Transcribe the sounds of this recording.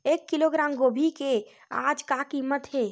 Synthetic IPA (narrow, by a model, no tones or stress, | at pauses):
ekːiloɡɾamɡobʱike | a̰d͡ʒkakimət̪ɦe